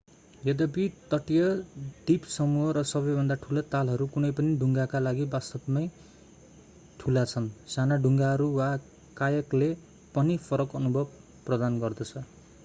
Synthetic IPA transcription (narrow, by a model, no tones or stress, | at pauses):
jʌd̪ʌbit̪ʌʈijʌd̪ipsʌmuɦʌɾʌsʌbʌjbʱʌnd̪aʈʰulʌt̪alɦʌɾukunʌjpʌniɖʱuŋɡakalaɡibast̪ʌpmʌj | ʈʰulat͡sʰʌnsanaɖʱuŋɡaɦʌɾuwa | kajʌkle | pʌnipʰʌɾʌkʌnubʱʌb̚ | prʌd̪anɡʌrd̪ʌt͡sʰʌ